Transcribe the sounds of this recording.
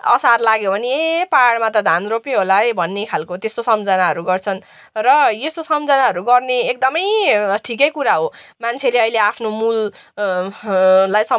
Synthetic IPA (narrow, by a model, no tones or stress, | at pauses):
ʌ̰sarlaɡjobʱʌniepaɽmat̪ʌd̪ʱanropeɦolaebʱʌnːekʰalkot̪est̪osʌmd͡zʌnaɦʌɾuɡʌrt͡sʰʌn | rʌjest̪osʌmd͡zʌnaɦʌɾuɡʌrneek̚d̪ʌmʌjʈʰikʌjkuɾaɦomant͡sʰeleʌileapʰnomul | ajsʌ